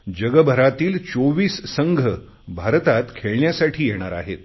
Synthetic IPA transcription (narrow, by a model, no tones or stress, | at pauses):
d͡ʑəɡəbʱəɾat̪iːlt͡soʋiːssəŋɡʱə | bʱaɾt̪at̪kʰeɭɳjasaʈʰiːjeɽ̃aɾa̰ɦet̪